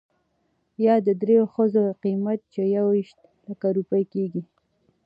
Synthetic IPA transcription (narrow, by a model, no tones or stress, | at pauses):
jɑd̪əd̪ɾejoxəzoqimat̪̚t͡ʃejawiʃt̪̚ | ləkaɾupəjkeɡi